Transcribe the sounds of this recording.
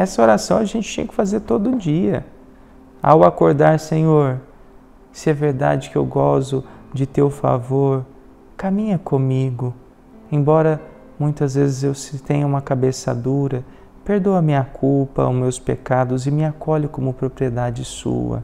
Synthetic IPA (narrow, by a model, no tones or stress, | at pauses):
ɛsɐoɾasɐ̃w̃ɐʒẽnt͡ʃɪ̥t͡ʃẽɲ̃ɐkɪ̥fazeɾt̪od̪ʊʊd͡ʒiɐ̰ | a̰wakoɾd̪aɾsẽɲoɾ | sɪɛveɾd̪a̰d͡ʒɪkɪḛwɡɔzʊd͡ʒɪt̪ewfa̰voɾ | kamĩɲɐkõmiɡʊ | ẽj̃bɔɾɐ | mũj̃t̪ɐzvezɪzewsɪt̪ẽɲɐũmɐkabesɐ̰d̪uɾɐ | peɾd̪oɐmĩɲɐkʰuwpɐ̰mewspekad̪ʊzɪmɪakoʎʊkõmʊpɾopɾied̪ad͡ʒɪsṵɐ̰